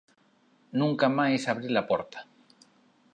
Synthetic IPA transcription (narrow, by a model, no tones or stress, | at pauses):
nũŋkamaesaβɾilapo̞ɾt̪ḁ